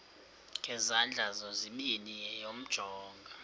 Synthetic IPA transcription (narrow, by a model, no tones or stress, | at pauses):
ŋɡʱɛzand͡ɮʱazɔziminijɛjom̩d̥ʒ̥ʱɔːŋɡʱa